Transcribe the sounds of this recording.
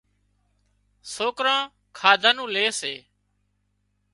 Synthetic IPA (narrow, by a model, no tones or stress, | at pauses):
soːkɾãː | kʰaːd̪ʱaːnũːleːseː